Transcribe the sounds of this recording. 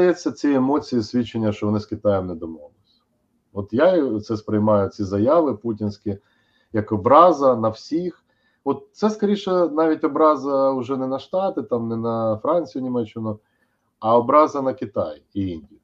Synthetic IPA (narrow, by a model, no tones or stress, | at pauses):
ɐjɛt͡sʲːɐt͡sʲiemɔt͡sʲijisʲʋʲit͡ʃːenʲːɐʃt͡ʃɔʋɔnɪskʲɪt̪ɑjɛmnɛd̪ɔmɔʋlˠɪsʲɐ̥ | ɔt̪jat̪sɛspɾɪjmɑjʊt͡sʲizɐjɑʋɪputʲinʲsʲkʲɪ | jɐkɔbɾɑzɐnɐwsʲix | ɔt̪̚t̪sɛskɐɾʲiʃɛnɑʋʲitʲɔbɾɑzɐʊʒɛnɛnɐʃt̪ɑt̪ɪt̪ɑmnɛnɐfɾɑnʲt͡sʲijʊnʲimɛt͡ʃːɪnʊ | ɐɔbɾɑzɐnɐkɪt̪ɑ̰jiinʲdʲij